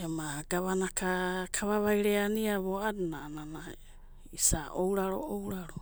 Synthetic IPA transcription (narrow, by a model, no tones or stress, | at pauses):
jamaɡ̥aβanakakʰaβaβajɾeaniaβoadnaːnana | isaʔowɾaɾo̰ʔowɾaɾo